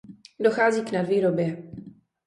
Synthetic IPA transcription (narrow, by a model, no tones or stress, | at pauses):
doxaːziːknadviːɾobjɛ